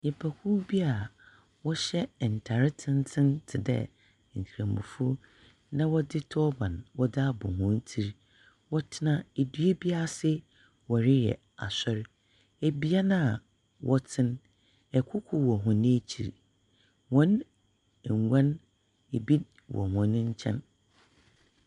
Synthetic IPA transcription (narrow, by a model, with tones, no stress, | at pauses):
ɲɛ˨pʰa˨kʰu˦bi˦a˨ | wɔ˦ɕɛ˦˨n̩˨tʰa˨ɾɪ˦tʰɪ̃˦ntʰɪ̃˦ntʰɪ˨dɛ̰˦ | ŋ̩˨kʰi˨ɾã˨mʊ̰̃˨fʊ˦ | nã˦wɔ˦dɪ˦tʰɔ˦bã˨nwɔ˦dɪ˦a˦bʊ̰̃˨hʊ̃˨˦n˦tʰi˦ɾ | wɔ˦tʰɪ˦nã˦e˨du˦e˦bi˦a˦˨sɪ˦ | wɔ˨ɾɪ˦jɛ̰˨ | a̰˨sɔ˦ɾ | e˨bi˦a˦nã˦˨ | wʔɔ˦tʰɪ̃˦n | ɛ˨kʷʰʊ˦kʷʰʊ˨wɔ˨ɦʊ̃˨nɪ̃˦t͡ɕʰḭ˨ɾ | hɔ̃˦n | ɛ˨ŋ˨ɡʷã˦n | e˨bi˦ | wɔ̰˨hɔ̃˨˦nɪ̃˦ɲ˦t͡ɕʰɛ̰̃˦n